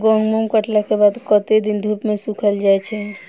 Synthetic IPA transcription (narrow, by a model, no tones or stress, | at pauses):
ɡɔ̃ŋɡmɔ̃ŋkəʈlakebad̪kət̪ed̪ind̪ʱupmesũkʰəld͡ʒajt͡ʃʰɛ